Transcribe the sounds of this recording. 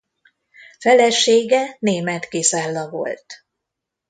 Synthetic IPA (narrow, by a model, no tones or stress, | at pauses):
fɛlɛʃeːɡɛneːmɛt̪kesaːlːɒvo̞̰lt̪